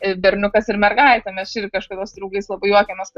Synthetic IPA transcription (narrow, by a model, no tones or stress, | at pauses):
ɪbʲɛɾʲnʲʊkɐsɪrmʲɛrɡɐɪt̪ʲɛmʲɛst͡ʃʲɪrʲkɐʃkɐd̪ʲoːsd̪ɾɐʊɡɐɪslˠɐbɐɪjuɔkʲɛmʲɛskɐ